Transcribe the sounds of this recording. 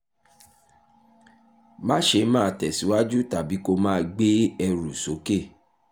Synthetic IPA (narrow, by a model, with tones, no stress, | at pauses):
mã˦ʃe˧˦mãː˦˨tɛ˨si˨˦wa˦d͡ʒu˦ta˨bi˨˦ko˧mãː˦ɡ͡be˦ɛ˧ɾu˨so˨˦ke˦˨